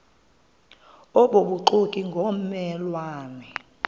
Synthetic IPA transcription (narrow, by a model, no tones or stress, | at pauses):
ɔɓoɓuǃukʼiŋɡʱomɛlwaːnɛ